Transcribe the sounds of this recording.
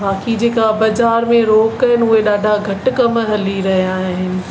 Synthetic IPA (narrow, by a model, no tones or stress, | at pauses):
baːkid͡ʑeːkabɐzaːɾmẽɾoːkːɐɦɪnɪ̆ʊɦeɗaːɖʱaɡʱɐʈ̆kɐmɦɐliɾɐɦiaːɦɪnɪ̆